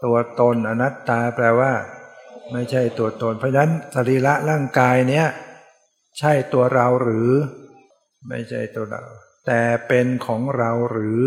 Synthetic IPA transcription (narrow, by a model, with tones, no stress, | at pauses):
t̪u˧ɐt̪o˧nʔa˧na˦˥t̪ːaː˧plɛː˧waː˥˩ma˥˩jt͡ɕʰa˥˩jt̪u˧ɐt̪o˧npʰɔ˧˥a˧na˦˥nsa˧ɾiː˧˩la˦˥ʔɾaː˥˩ŋkaː˧jni˦˥ɐ | t͡ɕʰa˥˩jt̪u˧ɐɾa˧wɾɯː˩˦ | ma̰˥˩jt͡ɕʰa˥˩jt̪u˧ɐɾa̰˧w | t̪ɛː˨˩pe˧nkʰɔː˩˦ŋɾa˧wɾɯː˩˦